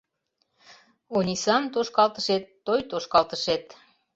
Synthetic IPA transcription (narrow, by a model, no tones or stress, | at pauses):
onʲisɑmt̪oʃkɑlt̪əʃet̪ːojt̪oʃkɑlt̪əʃet̪